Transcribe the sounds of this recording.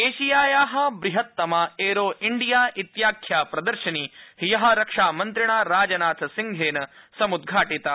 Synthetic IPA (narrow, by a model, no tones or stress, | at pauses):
eːʃijaːjaːɦɐ̆bɾiɦɐt̪ːɐmaːeːɾoːʔiɳɖijaːʔit̪jaːkʰjaːpɾɐd̪ɐɾʃɐniːɦjɐɦɐ̆ɾɐkʂaːmɐnt̪ɾiɳaːɾaːd͡ʒɐnaːt̪ʰsiŋɡʱeːnɐ | sɐmud̪ɡʱaːʈit̪ɐ